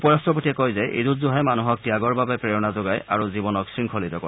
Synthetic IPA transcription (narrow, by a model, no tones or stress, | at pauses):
pɔɹastɔpotiɛkojzɛʔḛdutzuɦɛmanuɦɔk̚tiaɡɔɹbabɛpɹejɔnazoɡaja̰ɹuzibɔnɔksɹiŋkʰolitɔkɔ̰